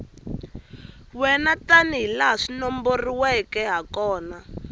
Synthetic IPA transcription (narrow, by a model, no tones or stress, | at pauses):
wɛnataniɦilaɦaʂinɔmboriwɛkɛɦakɔːna